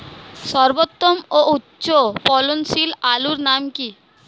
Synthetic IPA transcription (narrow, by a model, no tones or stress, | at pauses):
ʃɔɾbot̪ːomoʔutːɕopɔlonsilaluɾnamki